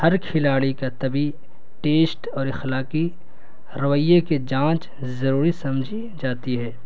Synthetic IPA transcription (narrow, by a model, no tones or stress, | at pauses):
hɐɾkʰɪlaːɽikat̪ɐbi | ʈeːsʈɔːɾɪxlaːki | ɾɐʋəjːeked͡ʒãːt͡ʃ | zɐɾuːɾisɐmd͡ʒʱi | d͡ʒaːt̪iɦɛː